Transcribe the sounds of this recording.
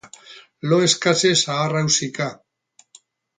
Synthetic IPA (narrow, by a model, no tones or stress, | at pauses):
loeskasesaːrawsika